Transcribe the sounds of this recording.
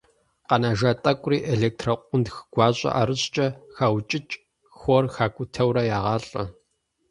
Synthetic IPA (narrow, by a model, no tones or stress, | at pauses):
qɐnaʒatʼɐkʷʼriːʔeɮeːk̚tʰrɐqʷʼʊntxɡ̥ʷɑːɕʼɐ̰ʔa̰ɾɨɕt͡ʃʼɐxawt͡ʃʼɪt͡ʃʼ | xʷoːrxaːkʷʼʊtʰɐwrɐjaːʁɑːɬʼɐ̰